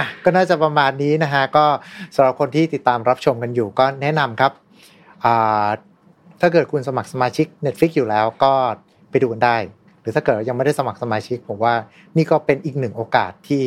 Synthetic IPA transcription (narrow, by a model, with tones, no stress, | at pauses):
ʔa˨˩kɔː˥˩naː˥˩t͡ɕa˨˩pɾa˧maː˧nːiː˦˥na˦˥kʰa˦˥kɔː˥˩sa˩˦ɾa˨˩p̚kʰo˧nt̪ʰiː˥˩t̪i˨˩t̪ːaː˧mɾa˦˥p̚t͡ɕʰo˧mka˧njuː˨˩kɔː˥˩nɛ˦˥na˧mkʰa˦˥p̚ | ʔaː˨˩ | t̪ʰaː˥˩k̬ɤː˨˩t̪̚kʰu˧nsa˧ma˨˩k̚sa˧maː˧t͡ɕʰi˦˥k̚ne˦˥t̪̚fi˦˥k̚juː˨˩lɛː˦˥wkɔː˥˩ | pa˧jduː˧ka˧ndaː˥˩j | ɾɯː˩˦t̪ʰaː˥˩kɤː˨˩t̪̚wa˥˩ja˧ma˥˩jda˥˩jsa˧ma˨˩k̚sa˧maː˧t͡ɕʰi˦˥k̚pʰo˩˦mwaː˥˩ | niː˥˩kɔː˥˩pe˧nʔiː˨˩k̚nɯ˨˩ŋʔoː˧ka̰ː˨˩t̪ʰːiː˥˩